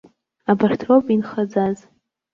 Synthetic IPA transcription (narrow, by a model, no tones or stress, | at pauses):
abartʰropʼinχad͡zaz